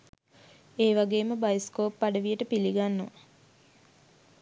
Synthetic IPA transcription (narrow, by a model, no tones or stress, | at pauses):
eːʋaɡeːməbajskoːpːaɖəʋijəʈəpiliɡanːo̰